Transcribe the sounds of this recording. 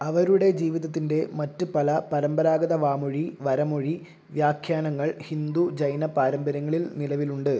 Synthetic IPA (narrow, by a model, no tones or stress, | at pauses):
ɐʋɐɾuɽe̞d͡ʑiːʋiðɐt̪ːinde̞mɐtːɨpɐlɐpɐɾɐmbɐɾaːɡɐðɐʋaːmoɻiʋɐɾɐmoɻi | ʋjaːkʰjaːnɐŋːɐɭhind̪ud͡ʑɐjnɐpaːɾɐmbɐɾɐŋːɐɭilnilɐʋiluɳɖɨ